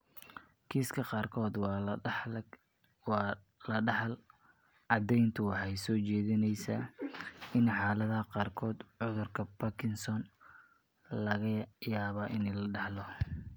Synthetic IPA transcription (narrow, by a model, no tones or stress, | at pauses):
kʰiːskʰɐqɑːrkʰɔːd̪ | lɐ | ɑd̪ɛjnt̪ʰʊwɑħɑjsɔːt͡ʃɛːðɪnɛjsɐ | ɪnħɑːlɐðɐɐqɑːrkʰɔːd̪ʕʊðʊrkʰɐbɐkʰɪnsɔn | lɐɣɐjaːβaːʔɪnɛjlɐɖɑħlɔ